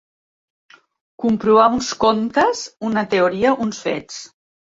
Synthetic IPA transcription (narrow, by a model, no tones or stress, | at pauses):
kumpɾuβaunskont̪əzunət̪euɾiəʔunsfḛt͡s